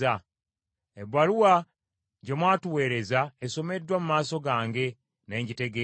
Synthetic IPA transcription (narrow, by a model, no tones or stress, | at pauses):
a | eβaɾuwa | ɟemwaːtuwe̞ːɾe̞zaeso̞me̞dːwamumaːso̞ɡaːŋɡe̞ | ne̞ːɲɟite̞ɡe